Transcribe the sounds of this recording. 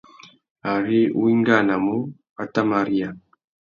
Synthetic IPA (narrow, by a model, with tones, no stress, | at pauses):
a˨ɾi˦wiː˦ŋɡa˨na˨mu˦ | a˨ta˦ma˨ɾi˦ja˨